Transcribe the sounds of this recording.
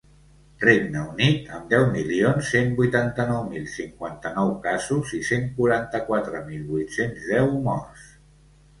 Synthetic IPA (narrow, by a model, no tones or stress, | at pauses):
reɡnəunit̪əmd̪ɛwmilionsːembujt̪ant̪ənɔwmilˠsiŋkwant̪ənɔwkazuziseŋkuɾant̪əkwat̪ɾəmilˠβujt̪senzðɛwmɔrs